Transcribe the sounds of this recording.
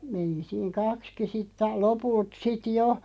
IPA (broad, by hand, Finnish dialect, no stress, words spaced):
meni siːŋ kɑkski sitː ɑi lopult sit jo